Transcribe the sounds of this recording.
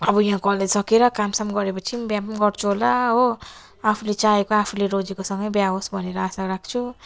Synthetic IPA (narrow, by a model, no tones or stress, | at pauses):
ʌbɔjɦãkʌlesʌkeɾʌkamsamɡʌɾepʌt͡sʰibjamɡʌɾt͡sʰuɦolaɦo | apʰulet͡saekoapʰuleɾod͡zekosʌŋɡʌjbjaɦosbʱʌneɾʌasaɾak̚ʰt͡sʰu